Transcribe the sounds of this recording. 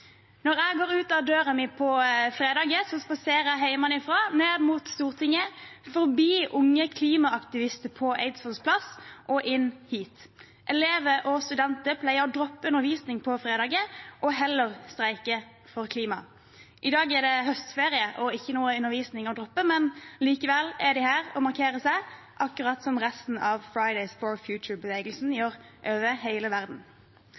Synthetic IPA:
nɔʁæɡoːʁʉːt̪ɑʋd̪øːʁəmɪpʰɔfɾeːd̪ɑːɡəsɔspɑseːʁəæɦæɪmɑnɪfɾɑːneːʁmuːt̪st̪uːʁt̪ʰɪŋːəfɔɾbiːʔʊŋːəkʰliːmɑɑkt̪ɪʋɪst̪əpʰɔʔḛɪd̪sɔlspʰlɑsʔɔʔɪnːhiːt̪ | ʔɛleːʋəʔɔst̪ʉd̪ɛnt̪əpʰlæɪəʁɔd̪ɾɔpːəʉnːəɾʋiːsnɪŋpʰɔfɾeːd̪ɑːɡəʔɔɦɛlːəʁst̪ɾæɪkə | fɔʁkʰliːmɑ | ʔɪd̪ɑːɡæd̪ɛɦœst̪feːʁɪəʔɔɪçːənuːəʉnəɾʋiːsnɪŋɔd̪ɾɔpːəmɛnliːkəʋɛlæd̪ɪhæːʁɔ̰mɑʁkʰeːɾəsæɪ | ʔɑkːʉʁɑt̪sɔmʁɛst̪n̩ɑʋfɹɑɪd̪æɪsfɔɹfjʉːt͡ʃəɹbəʋeːɡəlsn̩jøːʁ | ʔøːʋəheɪləʋæʁd̪n̩

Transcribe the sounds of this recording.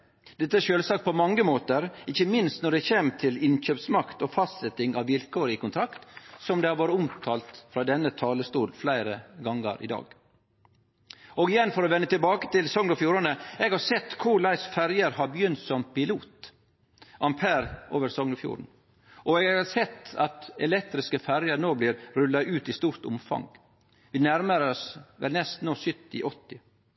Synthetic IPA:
d̪ɛt̪ːəæʃøːlsɑːk̚t̪̚pʰɔmɑŋːəmoːt̪əɾɪçəmɪnst̪nɔɖ̪ɛçeːmt̪ʰɪlɪnɕøːpsmɑkt̪ɔfɑst̪sɛt̪ːɪŋɑʋːɪlkʰoːɾəɪkʊnt̪ʰɾɑkt̪sɔmd̪ɛhɑɾʋɑːɾəʊmt̪ʰɑːlt̪fɾɑːd̪ɛnːət̪ʰɑːləst̪uːlflæɪɾəɡɑŋːə̰ɾʔɪ̰d̪ɑ̰ːɡ | ʔoːɡɪjɛnːfɔɾɔʋɛnːət̪ɪlbɑːkə̥t̪ɪlsɔŋnɔfjuːɾənəɛɡhɑɾsɛt̪ːkʰʊɭæɪsfæɾjəɾhɑɾbəjʏnt̪sɔmpɪluːt̪ | ʔɑmpʰæːɾʔoːʋəɾsɔŋnʊfjṵːɾɳ̩ | ʔɔɛɡɡhɑsɛt̪ːɑt̪ɛlɛk̚t̪ɾɪskəfæɾjəɾnoːbliːɾɾʉlːɑʔʉːt̪ist̪uːɾt̪ʊ̰mfɑ̰ŋ | ʋiːnæɾməɾɔsʋɛ̰lnɛst̪noːsʏt̪ːɪ̰ʔɔt̪ːɪ

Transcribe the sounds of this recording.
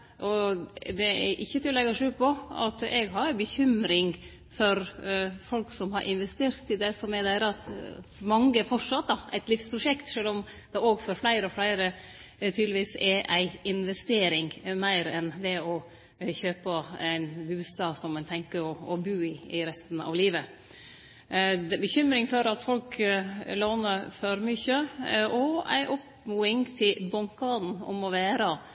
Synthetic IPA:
ʔɔd̪ɛɛɾʔɪçːət̪ʰɪllːɛɡəʂʉːpʰɔɑ̰t̪ɛɡɦɑɾæɪbəçʏmɾɪŋ | fɔɾfɔlksɔmɦɑɾʔɪ̰nʋɛst̪eːɾt̪ɪd̪ɛsɔmɛɾd̪æɪɾɑsmɑŋɡəfɔʂɑt̪̚d̪ɑæɪt̪lɪfspʰɾʊʂɛkt̪ʂøːlɔmd̪̥ɛoːɡfɔɾflæɪɾəɔflæɪɾə | t̪ʰyːd̪lɪʋiːsɛɾæɪɪnʋɛst̪eːɾɪŋmæɪɾɛnd̪ɛɔ | çøːpəæɪnbʉːsɑsɔmæɪnt̪ʰɛŋkəɔɔbʉːɪɪɾɛst̪n̩ɑ̰ʋliːʋə | d̪ɛbəçʏmɾɪŋfɔɾɑt̪fɔlkloːnəɾfɔɾmʏçəʔɔæ̰ɪʔɔp | muːɪŋt̪ʰɪlbɔŋkɑːd̪n̩ɔ̰mɔʋæːɾə

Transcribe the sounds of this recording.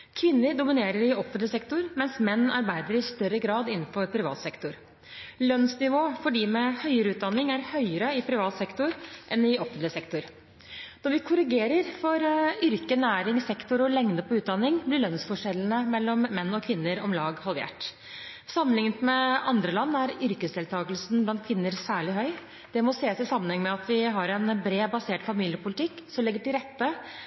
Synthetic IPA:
kʰʋɪnːəɾɖʊmɪneːɾəɾɪɔfənt̪lɪsɛkt̪ʊɾmɛnsmɛnːɑ̰ɾbæɪd̪əɾɪst̪œɾːəɡɾɑːd̪ɪnːn̩fɔɾpʰɾɪʋɑ̰ːt̪sɛkt̪ʊɾ | lœnsnɪʋoːfɔɖiːmɛhœʏəɾəʉːt̪̚d̪ɑnːɪŋæɾhœʏəɾəɪpʰɾɪʋɑːt̪sɛkt̪ʊɾʔɛnɪɔfənt̪lɪsɛkt̪ʊɾ | nɔɾʋɪkʰʊɾɪɡeːɾəɾfɔɾʏɾkənæːɾɪŋsɛkt̪ʊɾɔlɛŋd̪əpʰɔʉːt̪̚d̪ɑnːɪŋblɪɭœnsfɔʂɛlnəmɛlːɔmːɛnːɔkʰʋɪnːəɾɔmlɑːɡhɑlʋḛːʈ | sɑmːənlɪŋnət̪mɛɑnd̪ɾəlɑnːæɾʏɾkəsd̪ɛːlt̪ʰɑːɡəlsn̩blɑnt̪kʰʋɪnːəɾsæːɭɪɦœʏ | d̪̥ɛmɔseːsɪsɑmːənhɛŋːəmɛɑt̪ʰʋɪɦɑɾɛnbɾeːbɑseːʈfɑmiːljəpʰʊlɪt̪ʰɪkːsɔmlɪɡːəʈɪlɾɛt̪ːə

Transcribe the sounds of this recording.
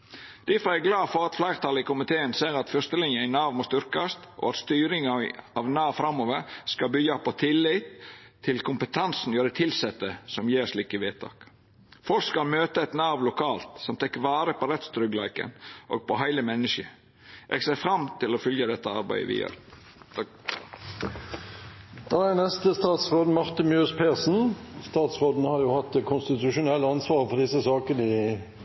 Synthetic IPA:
d̪̥ɪfɔɛɡlɑːfɔɾɑt̪flæɪɾt̪ʰɑləɪkʊmɪt̪ʰeːənseːɾɑt̪fœst̪əlɪnjəæɪnɑːʋmost̪ʏɾkɑst̪ʔɔ̰ɑt̪st̪yːɾɪŋɑɑʋnɑːʋfɾɑmːoːʋəɾskɑlbʏɡɑpʰɔt̪ʰɪlːɪt̪ʰːɪlkʰʊmpət̪ʰɑnsn̩ɔjøːɾət̪ʰɪlsɛt̪ːəsɔmjeːɾʂliːkəʋeːt̪ʰɑ̰ːk | fɔlkskɑlmøːt̪əɛt̪nɑːʋlʊkʰɑːlt̪sɔmt̪ʰɛkːʋɑːɾəpʰɔɾɛt̪st̪ɾʏɡlæɪkə̰nʔo̰ːɡ̚pʰɔɦæɪləmɛnːəʃə | ʔɛ̰ɡseːfɾɑmt̪ʰɪlɔfʏljəd̪ɛt̪ːəɑɾbæ̰ɪə̰ʋɪ̰ːjø̰ːɾ | d̪̥ɑænɛst̪əst̪ɑːt̪sʁoːd̪n̩mɑʁt̪əmʉspʰeːʁsn̩st̪ɑːt̪sʁoːd̪n̩hɑɾjʊhɑt̪ːkʰʊnst̪ɪt̪ʉʂʊnɛlːəɑnsʋɑːʁfɔʁd̪ɪsəsɑːkəd̪ɪ

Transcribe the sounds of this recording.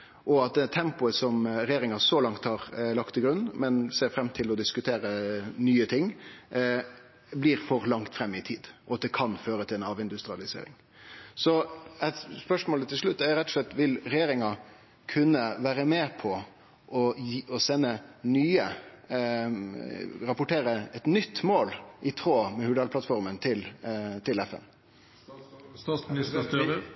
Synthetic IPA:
ʔɔɑt̪̚d̪ɛt̪ʰɛmpʊəsɔmɾɛjeːɾɪŋɑsɔlɑŋt̪hɑːɾlɑkt̪ɪɡɾʉnmɛnseːɾfɾɛmːt̪ʰɪlɔd̪ɪskʉt̪ʰeːɾənyːət̪ʰɪŋː | bliːɾfɔɾlɑŋt̪fɾɛmːɪt̪ʰiːd̪ʔɔɑt̪̚d̪ɛkʰɑnføːɾət̪ʰɪɛnɑːʋɪnd̪ʉst̪ɾɪɑlɪsḛːɾɪ̰ŋ | sɔɛt̪spœʂmoːlət̪ʰɪlʂɭʉt̪ːæɾɛt̪ːɔ̥ʂɭɛt̪ːʋɪlɾɛjeːɾɪŋɑ | kʰʉnːəʋæːɾəmeːpʰɔ | ʔɔɔsɛnːənyːə | ɾɑpʊʈeːɾəɛt̪nʏt̪ːmoːlʔɪt̪ʰɾoːmɛhʉɖ̪ɑlpʰlɑt̪fɔɾmənt̪ʰɪlt̪ɪlɛfɛ̰n | ɪs

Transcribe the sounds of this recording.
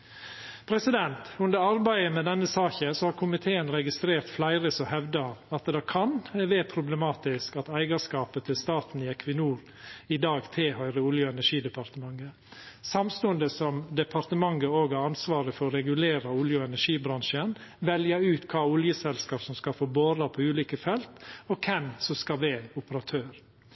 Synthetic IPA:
pʰɾɛsɪd̪ɛnt̪ʉnd̪əɾɑɾbæɪəmɛd̪ɛnːəsɑːçəsɔhɑːɾkʰʊmɪt̪ʰeːənɾɛɡɪst̪ɾeːɾt̪flæɪɾəsɔhɛʋd̪ɑɑt̪d̪ɑkʰɑnʋeːpʰɾʊblɛmɑːt̪ɪskɑt̪æɪɡɑʂkɑːpət̪ʰɪlst̪ɑːt̪n̩iːɛkʰʋɪnuːɾ | ɪd̪ɑːɡt̪ʰeːhœʏɾəʊljəɛnæʂiːd̪əpɑɾt̪əmɑŋːə | sɑmst̪oːənd̪əsɔmd̪ɛpʰɑɾt̪əmɑŋːəoːɡæɾɑnsʋɑːɾəfɔɾɔɾɛɡʉleːɾɑʊljəɛnæʂiːbɾɑŋʃən | ʋɛljəʉːt̪kʰɑːʊljəsɛlskɑːpsɔmskɑfoːboːɾɑpʰɔʉːliːkəfɛlt̪ɔkʰɛmsɔskɑʋɛʊpəɾɑt̪ʰøːɾ

